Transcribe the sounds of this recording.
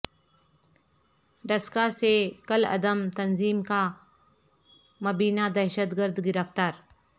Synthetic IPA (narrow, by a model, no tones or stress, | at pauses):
ɖɐskasekɐlɐ̰d̪əmt̪ɐnziːmka | mɐbiːnad̪ɐɾʃət̪ɡəɾd̪ɡɪɾəft̪aːɾ